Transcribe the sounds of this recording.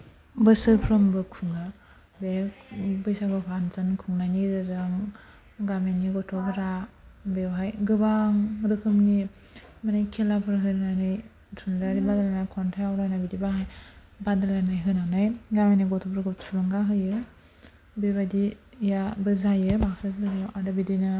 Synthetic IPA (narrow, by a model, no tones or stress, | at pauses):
bɯsɯɾpʰɾɔmbɯkʰuŋa | bebɯjsabɯpʰanzankʰuŋnanizɯzɯŋ | ɡameniɡɔtʰɔbʰɯɾabewɦajɡɯbaŋɾɯkʰɯmni | manajkʰelapʰɯɾɦɯɾnanɯj | tʰunlaɾibadalanajkʰɔntʰajawɾajnabidibaɦaj | badalanajɦɯnanajɡameniɡɔtʰɔpʰɾɡɔtʰuɾɯŋɡaɦɯjɯ | beβadijabɯzajɯbaksazɯnaʔadabidinɯ